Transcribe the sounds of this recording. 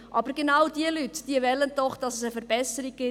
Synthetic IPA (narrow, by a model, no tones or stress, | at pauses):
ʔɑbəɾɡenɑwd̥iəlytd̥iəvɛlːənd̥ɔχd̥ɑsəsəfəɾbɛsəɾiɡɪ